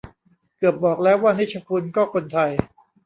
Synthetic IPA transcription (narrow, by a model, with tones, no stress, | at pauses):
kɯ˨˩əp̚bɔː˨˩k̚lɛː˦˥waː˥˩ni˦˥t͡ɕʰa˧pʰu˧nkɔː˥˩kʰo˧nt̪ʰa˧j